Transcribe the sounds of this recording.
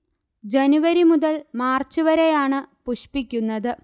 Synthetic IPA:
d͡ʑe̞nuʋɐɾimuðɐlmaːrt͡ɕːuʋɐɾe̞jaːɳɨpuɕpikʲːunːɐðɨ

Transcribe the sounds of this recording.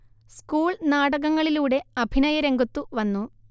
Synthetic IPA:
skuːɭnaːɽɐɣɐŋːɐɭiluːɽe̞ɐbʱinɐjɐɾe̞ŋɡʱut̪ːuʋɐnːu

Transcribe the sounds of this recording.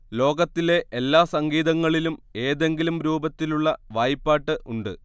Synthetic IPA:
lo̞ːɡɐt̪ːile̞ʔelːaːsɐŋɡiːðɐŋːɐɭilume̞ːðe̞ŋɡilumɾuːbɐt̪ːiluɭːɐʋaːjipːaːʈːɨʔuɳɖɨ

